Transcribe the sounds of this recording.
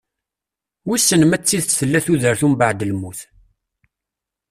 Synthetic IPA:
wisːənmæt͡sːiðt͡sθəlːæθuðəɾθumbaʕd̪əlmuθ

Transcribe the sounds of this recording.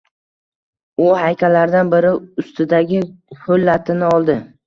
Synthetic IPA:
ʊhajkʲʰalaɾd̪anbɪɾɪʊst̪ʰɪd̪aɡʲɪhɵlːat̪ʰɪnɪɒlˠd̪ɪ

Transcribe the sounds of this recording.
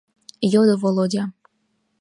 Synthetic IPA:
jod̪ovolˠodʲɑ

